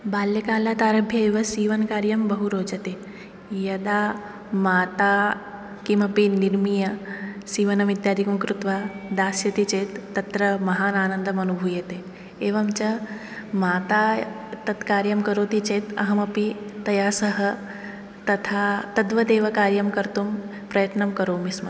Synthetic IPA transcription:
baːljɐkaːlaːt̪aːɾɐbʱjɐeːʋɐsiːʋɐnkaːɾjɐmbɐɦuɾoːd͡ʒɐt̪e | jɐd̪aː | maːt̪aː | kimɐpiniɾmijɐsiːʋɐnɐmid̪jaːd̪ikumkɾut̪ʋaːd̪aːsjɐt̪it͡ʃeːt̪ːɐt̪ɾɐmɐɦaːnaːnɐnd̪ɐmɐnubʱuːjɐt̪eː | eːʋɐmt͡ʃɐ | maːt̪aː | t̪ɐt̪kaːɾjɐmkɐɾoːt̪it͡ʃeːt̪ɐ̰ɦɐmɐpit̪ːɐjaːsɐɦɐ | t̪ɐt̪ʰaːt̪ɐd̪ʋɐd̪eːʋɐkaːɾjɐmkɐɾt̪um | pɾɐjɐt̪nɐmkɐɾoːmismɐ

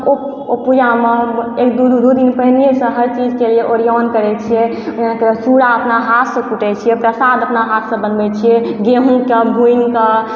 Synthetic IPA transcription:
o | opud͡ʒameekd̪ud̪ud̪ud̪inpəɦilijesə̃ɦəɾt͡ʃid͡ʒkelieʔoɾijɔnkəɾɛt͡ʃʰije | ãkesuɽaəpnaɦat̪ʰsə̃kuʈɛt͡ʃʰijɛpɾəsad̪əpnaɦat̪ʰsə̃bənbɛt͡ʃʰijɛɡeɦũkebʱuinkə

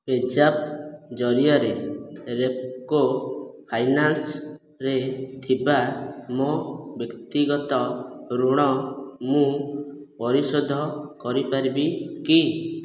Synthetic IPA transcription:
ed͡ʒapd͡ʒɔɾijɔɾeɾep̚kopʰajnans | ɾet̪ʰibamobjɔkt̪iɡɔt̪ɔɾuɽ̃ɔmũpɔɾisod̪ʱɔkɔɾipaɾibiki

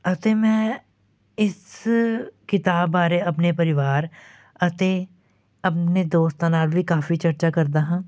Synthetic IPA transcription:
ɐt̪emɛ̃ː | ɪs | kɪt̪aːbaːɾeɐp̬nepəɾɪʋaːɾ | ɐt̪e | ɐpned̪oːst̪anaːlbʱikaːfit͡ʃɐɾt͡ʃakɐɾd̪aːɦãː

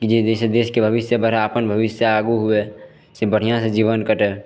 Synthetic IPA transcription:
kid͡ʒed̪esed̪eskebʱəbɪsjəbəɾaəpənbʱəʋɪsjəaɡuɦue | sebəɽ̤ijãsẽd͡ʒiβənkəʈɛ

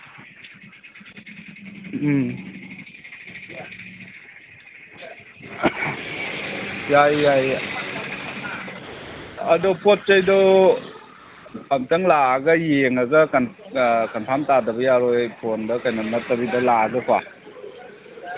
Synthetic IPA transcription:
jajːaj | adɔpʰot̚t͡ʃajdɔ | amtɯŋlaɡajeŋazɯkankanpʰamtadabijaɾɔpʰondɔkajnamnatabidɔlaɡɯkʰwa

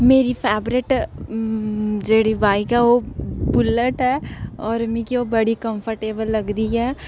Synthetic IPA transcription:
meːɾipʰɛːbɾɪʈ | d͡ʒeːɽibʱaːikaʋobʊlːəʈɦɛːɔːɾmĩkiobɐɽikə̃mpʰəɾʈeːbəlːɐɡd̪iɦɛː

